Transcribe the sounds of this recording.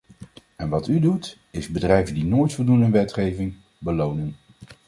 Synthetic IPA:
ɛnʋɑtydut | ɪzbədrɛjvəndinoːjtfɔlˠdunənʋɛtχejvɪŋ | bəlownən

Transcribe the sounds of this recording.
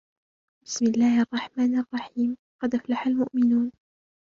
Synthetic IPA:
bɪsmɪlːaːhʔɑrˤːɑħmaːnʔɑrˤːɑħiːm | qɑd̪ʔaflaħalmʊʔmɪnuːn

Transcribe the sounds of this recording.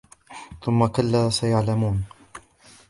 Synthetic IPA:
θʊmːakalːaːsajaʕlamuːn

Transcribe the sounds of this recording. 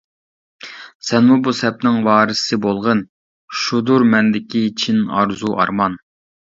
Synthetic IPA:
sɛnmubusɛp̚nɪŋwɑːɾɨssɨbolˠʁən | ʃud̪uɾmɛnd̪ɪkʲit͡ʃʰinɑ̰ɾzuʔɑ̰ɾmɑn

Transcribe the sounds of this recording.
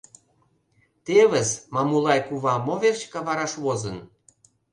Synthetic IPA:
t̪eβəzmɑmulɑjkuβɑmoβert͡ɕkɑβɑɾɑʃβozən

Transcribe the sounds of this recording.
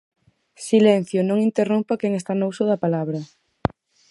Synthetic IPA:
silɛn̟θjonõŋint̪erompakɛŋest̪anousʊðɐpalaβɾɐ

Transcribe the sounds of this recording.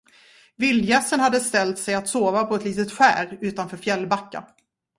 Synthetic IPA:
vɪljɛsːənhad̪ːəst̪ɛlt̪sɛjat̪soːvapʰɔɛt̪liːt̪ət̪ɧæ̰ːɾʉ̟ːt̪anfœːɾfjɛlːbakːa̰

